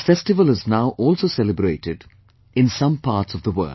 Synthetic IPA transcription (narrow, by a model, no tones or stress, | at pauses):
fɛsʈɪʋəlɪznaʊʔɔːlsoːsɛlɪbɾeːʈɪɖ | ɪ̃nsʌ̃mpʰaːɾʈsɔvd̪əwə̰ːl